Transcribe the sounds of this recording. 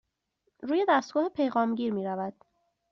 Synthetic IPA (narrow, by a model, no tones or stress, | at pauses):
ɾuːje̞d̪æst̪ɡɒːhepʰe̞jɣɒːmɟiːɾmiːɾævæd̪̥